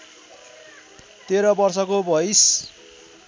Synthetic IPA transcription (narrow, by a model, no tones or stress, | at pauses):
t̪eɾʌbʌrsʌkobʌjs